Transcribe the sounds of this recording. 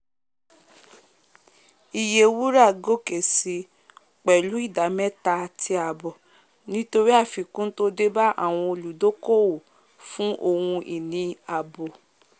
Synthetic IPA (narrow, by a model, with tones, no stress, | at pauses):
i˨je˨wu˦ɾa˦˨ɡo˦˨ke˨si˨˦ | k͡pɛ˨lu˨˦i˦˨da˨˦mɛ̃˦ta˧˨tʰi˧a˨bɔ˨ | nĩ˦to˧ɾi˦a˦˨fi˨kũ˦n̩˦to˦de˦ba˦ʔa̰˦˨w̃ɔ̃˧o˧lu˨do˦ko˦˨wo˨ | fũ˦ʔo˧hũ˧ʔi˨nĩ˧a˨bo˨